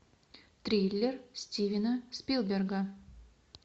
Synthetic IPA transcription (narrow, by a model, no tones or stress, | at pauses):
t̪ɾʲijlʲːersʲtʲivʲɪnəspʲilˠbʲerɡə